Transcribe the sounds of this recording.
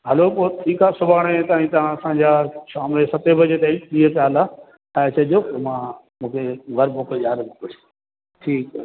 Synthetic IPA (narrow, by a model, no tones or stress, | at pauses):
ɦɐlopoːʈʰiːkaːsʊbʱaːɽ̃et̪aːɦĩt̪ɐʋãɐsãd͡ʑaːʃaːmlesɐt̪ebʱɐd͡ʑet̪ɐikt̪iekaːla | t͡ɕʰɐɗijomãː | mũːkʰeɡʱɐɾboːkʄaːɾeboːkɽi | ʈʰiːkː